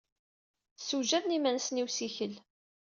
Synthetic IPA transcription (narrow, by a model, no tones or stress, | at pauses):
suʒæðnimænsniwsiçəl